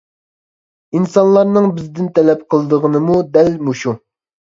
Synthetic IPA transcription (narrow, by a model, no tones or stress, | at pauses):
insɑnlˠɑɾnɨŋbɪzd̪ɪnt̪ʰɛlɛp̚qʰəlˠɨd̪əʁənɨmud̪ɛlmuʃu